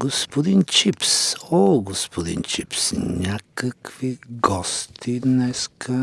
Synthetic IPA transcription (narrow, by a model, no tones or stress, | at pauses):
ɡospod̪int͡ʃipsoɡospʰod̪ḭnt͡ʃipsnʲakəkviɡɔst̪ʰid̪nɛskʰə